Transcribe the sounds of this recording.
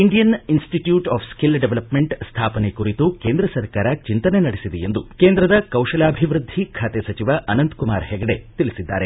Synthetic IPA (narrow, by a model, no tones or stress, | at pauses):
iɳɖijɐninsʈiʈjuːʈaːpʰskilɖeʋɐlɐpmeɳʈst̪ʰaːpɐnekuɾit̪ukeːnd̪ɾɐsɐɾkaːɾɐt͡ʃint̪ɐnenɐɽesid̪ejend̪ukeːnd̪ɾɐd̪ɐkɐwʃɐlaːbʱiʋɾud̪ʱːikʰaːt̪esɐt͡ʃiʋaʔɐnɐnt̪kuma̰ːɾɦɛɡɐɽet̪ilisid̪ːa̰ːɾe̞